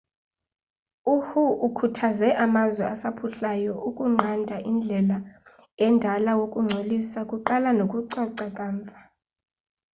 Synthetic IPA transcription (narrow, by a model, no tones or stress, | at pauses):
uhuukʰutʰazɛʔamazwɛasapʰuɬajɔʔukʼuŋ͡ǀʱandʱaʔind͡ɮʱɛlaɛndʱalawokʼuŋ͡ǀʱolisakʼuǃalanokʼuǀaǀakʼaːɱvʱḁ